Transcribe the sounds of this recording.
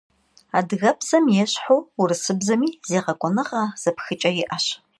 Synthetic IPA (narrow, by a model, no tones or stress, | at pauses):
aːdɣɐpʰzɐmjɛɕħowurɨsɨbzɐmiːz̥eːʁɐkʷʼɔnɨʁaːz̥ɐpxɨt͡ʃʼɐjɪʔɐɕ